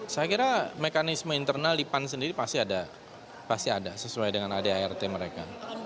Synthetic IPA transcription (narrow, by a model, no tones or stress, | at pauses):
saakiɾamekanisməint̪ərnalːipans̬əndiɾipast̪iada | past̪iadasəsuajdəŋanadeaɛrt̪eməɾeka